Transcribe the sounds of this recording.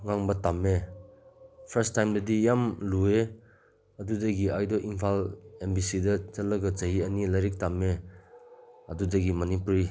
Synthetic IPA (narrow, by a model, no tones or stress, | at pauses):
ŋaŋbɐtame | pʰɐɾstajmdɐdijamlue | ɐdudɐɡiajdɔʔiŋpʰalembisidɐt͡ʃɐlːɐɡɐt͡ʃɐɦiɐnilɐɾik̚tame | ɐdudɐɡimɐnipuɾi